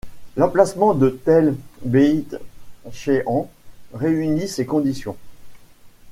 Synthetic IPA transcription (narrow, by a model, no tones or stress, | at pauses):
lɑ̃plasmɑ̃d̪ət̪ɛlbeit̪ʃeɑ̃ʁeynisekɔ̃d̪isjɔ̃